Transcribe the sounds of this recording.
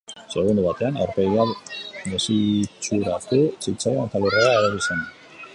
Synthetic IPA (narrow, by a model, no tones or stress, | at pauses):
se̞ɣ̞und̪uβat̪e̞anawɾpeɣiaβmesit͡ʃuɾast̪usit͡saloant̪alereaːðoɾisan